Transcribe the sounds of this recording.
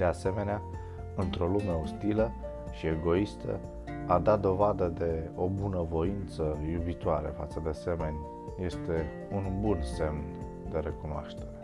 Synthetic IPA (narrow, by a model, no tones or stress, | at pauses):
d̪e̞ase̞me̞nea | ɨnt̪ɾo̞lume̞ost̪ilə | ʃie̞ɡo̞ist̪ə̰ | ad̪at̪̚d̪o̞vad̪əd̪e̞o̞bunəvo̞int̪səjubit̪oaɾḛfa̰t̪səd̪e̞ase̞me̞nʲ | je̞st̪e̞ | unbunse̞mn | d̪e̞ɾe̞kunoa̰ʃt̪e̞ɾe